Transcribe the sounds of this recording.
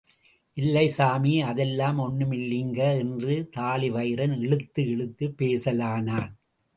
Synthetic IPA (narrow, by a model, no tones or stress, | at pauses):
ʔɪlːɐɪsaːmiɐðɛlːaːmɔnːɯmɪlːɪŋɡɐɛndrɯt̪aːlɪʋɐɪɾɐnɛɭɯt̪ːɯɛɭɯt̪ːɯpːeːsɐlaːnaː